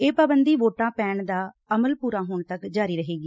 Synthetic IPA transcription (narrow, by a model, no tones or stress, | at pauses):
eːpaːbənd̪iːʋoːʈãːpɛːɳd̪aː | əməlpuːɾãːɦʊːɳt̪əkd͡ʒaːɾiːɾəɦeːɡiː